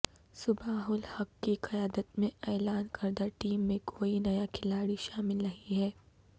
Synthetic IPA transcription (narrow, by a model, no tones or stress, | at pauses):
sʊbaːɦʊlhɐkːiqɐjaːd̪ət̪mẽɛːlaːnkʰɐɾd̪aʈiːmːẽkʰoːinɐjakʰɪlaːɽiʃaːmɪlːɐɦiɦɛː